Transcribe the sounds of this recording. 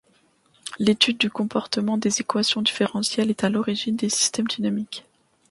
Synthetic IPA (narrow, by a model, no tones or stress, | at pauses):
let̪yd̪ːykɔ̃pɔʁt̪əmɑ̃d̪ezekwasjɔ̃d̪ifeʁɑ̃sjɛlɛt̪alɔʁiʒind̪esi̥st̪ɛmd̪ynamik